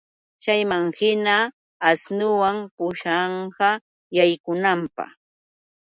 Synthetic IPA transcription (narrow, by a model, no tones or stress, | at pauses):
t͡ʃajmaŋhɪnaː | snʊwampʊʃɑɴɢɑ | jajkʊnampɑ̰χ